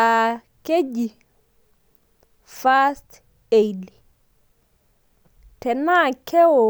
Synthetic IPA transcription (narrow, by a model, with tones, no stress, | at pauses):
a˨ | ke˦d͡ʒi˨ | fa˦st | e˨jli | tɛ˨na˦kɛ˦wɔ˨